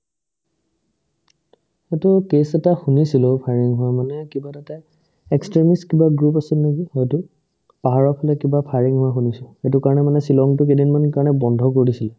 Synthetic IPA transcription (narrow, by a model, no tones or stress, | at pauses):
xetʊkesɛtaxunisilopʰaɹiŋɦʊamanɛkibatata | ekstɹemiskibaɡɹupasilneɡihɔjtʊ | paɦaɹɔpʰɔlɛkibapʰaɹiŋɦʊɛxunisʊxetʊkaɹɔnɛmanɛsilɔŋtʊkedinmankaɹnɛbɔndʱɔkoɹisilɛ